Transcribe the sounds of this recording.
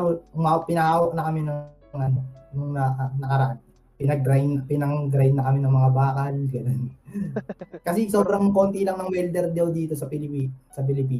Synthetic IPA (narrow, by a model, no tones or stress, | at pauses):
owapɪnɐaːwɐʔ̚nɐkɐmɪnɐ | ŋʔɐnonʊŋnɐʔanɐkɐɾɐʔan | pɪnɐɡɾajnɐpɪnɐŋɡɾajd̪ːɐkɐmɪnɐŋmɐŋabaːkɐlɡɐno̞n | kɐs̬ɛso̞bɾɐŋko̞ːnt̪ilɐŋnɐŋwɛld̪ɛɾd̪ɐwd̪iːt̪o̞sɐpɪlɪpisɐp̬ɪlɪp̬iː